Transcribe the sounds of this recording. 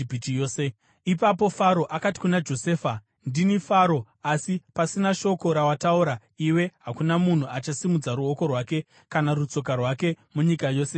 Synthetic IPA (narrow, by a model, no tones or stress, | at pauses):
bʱit͡ʃijoːse | ipap̬o̞faɾoʔakati̥kunad͡ʒo̞se̞ːfa | ndinifaɾo̞ | asipasinaʃo̞ko̞ɾawatauɾa | iwe̞ɦakunamun̤uat͡ʃasimud͡zaɾuoko̞rwaːke̞ | kanarut͡so̞k̬arwake̞ | muɲikajo̞ːse